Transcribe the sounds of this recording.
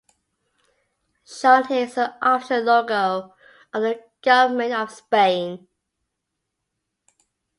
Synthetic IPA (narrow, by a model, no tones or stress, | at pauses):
ʃãʊ̃ntʰɪsəʔɑftəlɔɡəʊ | ʔəðəɡ̥ʌvəmə̃ntəv̥spẽɪ̃n